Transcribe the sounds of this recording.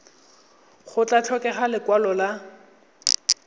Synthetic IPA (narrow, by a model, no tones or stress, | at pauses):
χʊt͡ɬʼat͡ɬʰɔkɛχalɪkwalɔla